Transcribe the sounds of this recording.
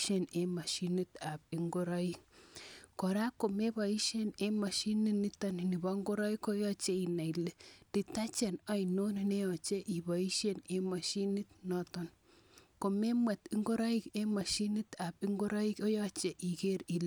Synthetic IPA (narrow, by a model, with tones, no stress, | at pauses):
ʃe˨ne˨ma˨ʃi˦ni˦t̪a˨bi˦ŋɡo˦ɾa˦i˦k | kɔ˨ɾa˦ko˨me˦ba˨i˦ʃe˦ne˦ma˨ʃi˦ni˦ni˦ta˦n˨ni˨ba˦ŋɡo˦ɾa˦i˦ko˦jɔ˦t͡ʃe˦i˨na˨i˨le˦d̥i˨ta˦t͡ʃe˨na˦i˨no˦nne˦jɔ˨t͡ʃe˦ʔi˨ba˨i˦ʃe˦ne˦ma˨ʃi˦ni˦t̚nɔ˦tɔ˦n | ko˨me˦ma˨t̪i˦ŋɡo˦ɾa˦i˦ke˦ma˨ʃi˦ni˦t̪a˨bi˦ŋɡo˦ɾa˦i˦ko˦jɔ˦t͡ʃe˨ʔi˨ɡe˦ɾi˨l